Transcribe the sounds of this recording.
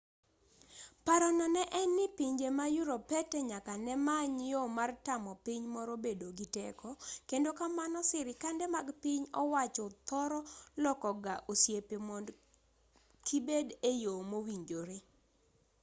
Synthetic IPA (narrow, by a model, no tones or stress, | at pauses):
paɾɔnɔnɛʔɛnːɪpiɲd͡ʒemajuɾopɛtɛɲakanɛmaɲjomartamɔpiɲmɔɾɔbedoɡitɛkɔkendokamanɔsɪɾɪkandɛmaɡpiɲɔwat͡ʃɔt̪ɔɾɔlɔkɔɡaʔosjepemɔnd | kʰibedejomowiɲd͡ʒoɾe